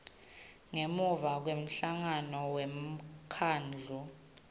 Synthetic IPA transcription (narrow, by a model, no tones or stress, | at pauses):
ŋemuvak̬wem̩ɬaŋanɔwemkʰaːnd͡ɮʱu